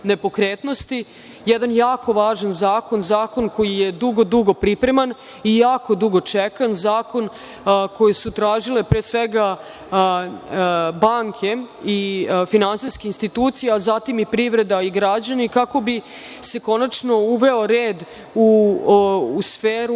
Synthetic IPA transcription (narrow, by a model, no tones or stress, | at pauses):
ne̞po̞kɾeːt̪no̞st̪i | jɛd̪anjaːko̞ʋaːʒanzaːko̞nzaːko̞nko̞jije̞d̪uɡo̞d̪uɡo̞pɾipɾe̞man | ijaːko̞d̪uɡo̞t͡ʃekanzaːko̞n | ko̞jesut̪ɾaːʒile̞pɾeːsʋeɡa | baŋkʰe̞ifinansiskeinst̪it̪uːt̪sijeazat̪imipɾiʋɾe̞d̪aiɡɾad͡ʑanikako̞bi | se̞ko̞nat͡ʃnouʋe̞o̞ɾeːd̪ | uː | sfeːɾu